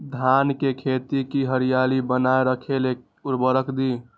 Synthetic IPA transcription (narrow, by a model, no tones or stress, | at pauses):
d̪ʱankekʰet̪ikiɦəɾijalibənaeɾəkʰele | uɾbəɾəkʰd̪i